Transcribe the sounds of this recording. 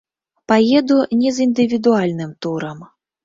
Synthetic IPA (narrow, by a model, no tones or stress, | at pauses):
pajɛd̪unʲɛzind̪ɨvʲid̪ualʲnɨmt̪uɾɐm